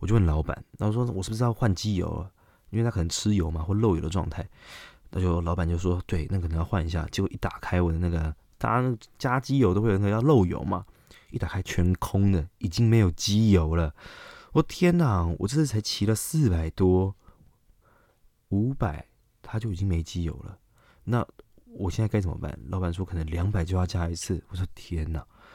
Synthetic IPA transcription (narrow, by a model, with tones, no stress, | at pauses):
wɔ˨t͡ɕjo˥˧ʊwə˥˩nlɑ˧˥ʊpa̰˨˦nna˧o˥˩ʂwɔ˥wɔ˨˩ʂɻ̩˥˩b̩˧ʂ̩˥jxwa˥˩nt͡ɕi˦˥jo̰˧˥˦ʊlə̰˨˩ | i˥nwe˧˩a˥k̪ʰə˧˦ŋʈ͡ʂʰɻ̩˦˥jo˧˥ʊma˨xwɔ˥˩˧lo˥˩ʊjo̰˨˩ʊd̪ə˧ʈ͡ʂwɑ̰˥˧ŋt̪ʰa˥˩ɪt̪ʰa˥t͡ɕjo˥˧ʊ˩lɑ˧˥ʊpa˨˩nt͡ɕjo˥˧ʊ˥ʂɔ˥t̪we˥˩ɪna˥˩k̪ʰə˧˦ŋjɑ˥˧ʊwa˥˩ni˨˧˩ɕja̰˥˩t͡ɕo˧˦ʔi˥˩t̪a˨˩kʰa˥ɪwɔ˨˩d̪ə˦na˥˩ɡə˩ | t̪aa̰˧˦na˥˩ɡə˩t͡ɕja˦˥t͡ɕi˥jo˧˥ʊto˥ʊxwna˧jɑ˥˧lo˥˩ʊjo̰˨˧˥ʊma̰˨ | i˥˩t̪a˨˩kʰa˥ɪt͡ɕʰɥɛ˧˥nkʰʊ˥ŋd̪ə˨i˨˩t͡ɕi˦ŋme˧˥ɪjo˨˩ʊt͡ɕi˦˥jo˧˥ʊlə˨wɔ˥˩t̪ʰjɛ˦˥na˨˩wɔ̰˨˩t͡ɕə˥˧ʂ̩ʰ˥˧˩a˧˥ɪt͡ɕʰi˧˥lə˨s̩˥˨pa˨˩ɪt̪wɔ˥ | u˧˥pa˨˩˦ɪ | t̪ʰa˥t͡ɕjo˥˩ʊi˨˩t͡ɕi˦˥ŋme˧˥ɪt͡ɕi˦˥jo̰˧˩ʊlə̰˨ | na˥˨wɔ˨˩ɕjɛ˥˧nt͡sa˥˧ka˥ɪt͡sə˨˩mə̰˦pa̰˥˩nlo˥˧ʊpa˥˩nʂ̬wɔ˥kʰə˨˩nə˧˦ŋljɑ˧˦ŋpa˨˩ɪt͡ɕjo˥˧ʊjɑ˥˧ʊɕja˥˩i˧˥t͡s̩ʰ˥˩wɔ˨˩swɔ˥t̪ʰjɛ˦na˨˩